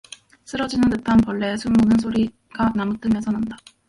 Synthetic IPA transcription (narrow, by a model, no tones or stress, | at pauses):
s͈ɯɾʌd͡ʑinɯndɯtʰanpʌɭːe̞sʰunmonɯnsʰoɾi | kanamɯk̚t͈ɯmesʰʌnanda